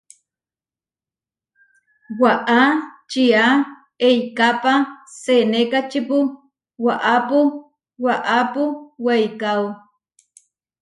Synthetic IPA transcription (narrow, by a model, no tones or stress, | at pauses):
waʔat͡ʃia | ejkapasenekat͡ʃipu | waʔapu | waʔapuwajkaw